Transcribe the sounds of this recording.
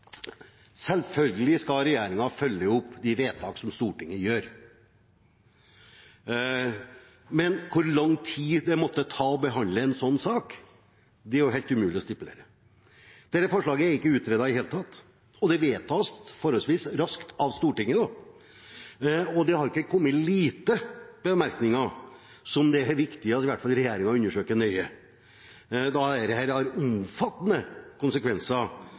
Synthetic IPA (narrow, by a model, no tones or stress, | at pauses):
sɛlfœlɡəlɪskɑɾɛjæːɾɪŋɑfœljəʊpːd̪ɪʋeːt̪ʰɑːksɔmst̪uːʈɪŋːəjøːɾ | mɛnkʰʊɾlɑŋt̪ʰiːd̪ɛmɔt̪ːət̪ʰɑːɔbəɦɑnd̪ləɛnsɔnːsɑːk | d̪ɛæɾjʊɦɛːlt̪ʉmʉːlɪɔst̪ɪpʉlḛːɾə | d̪̥ɛɾəfɔʂɭɑːɡəæɾɪkːəʉːt̪ɾeːd̪ɑɪheːlət̪ʰɑt̪ː | ɔd̪ɛʋeːt̪ʰɑːst̪fɔɾɔlsʋiːsɾɑskt̪ʰɑʋst̪uːʈɪŋːəd̪ɑ | ɔd̪ɛhɑɾɪkːəkʰɔmːət̪liːt̪əb̥əmæɾknɪŋɑ | sɔmd̪ɛɾʋɪkt̪ɪəɑt̪ɪʋæʈːfɑlɾɛjeːɾɪŋɑʉnːəʂøːkənœʏə | d̪ɑæd̪ɛhæːɾhɑɾʊmfɑt̪ːənəkʊnsəkʋɛnsɑ